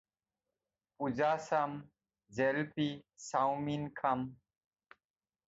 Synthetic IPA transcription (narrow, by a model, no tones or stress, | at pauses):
pud͡ʑaːsɐm | d͡ʑelpisawminkʰɐm